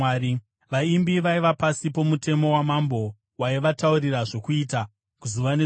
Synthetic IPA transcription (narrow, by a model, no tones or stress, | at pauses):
i | ʋaimbiʋaiʋapasipo̞mute̞mo̞wamambo̞ | waiʋatauriraʐo̞kuita | kuzuʋane